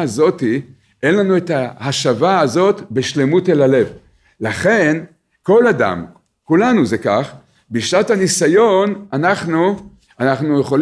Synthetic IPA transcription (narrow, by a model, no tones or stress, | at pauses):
azo̞t̪i | ʔenlanue̞t̪ahaʃavaːzo̞t̪beʃlemutelale̞v | laχe̞n | ko̞lada̰m | kulanuzekaχ | biʃnat̪hanisajo̞nanaχnu | anaχnujeχo̞l